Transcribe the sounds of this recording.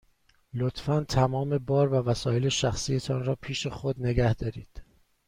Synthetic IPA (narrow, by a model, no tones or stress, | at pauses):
lot̪fænt̪ʰæmɒːme̞bɒːɾvævæsɒːje̞le̞ʃæxsiːjet̪ʰɒːnɾɒːpʰiːʃe̞xod̪ne̞ɡæhd̪̥ɒːɾiːd̪̥